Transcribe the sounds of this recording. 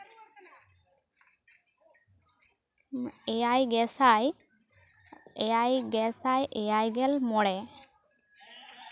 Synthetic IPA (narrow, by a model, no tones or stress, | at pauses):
ejajɡɛsaj | ɛjajɡɛsajʔɛjajɡɛlmɔɽɛ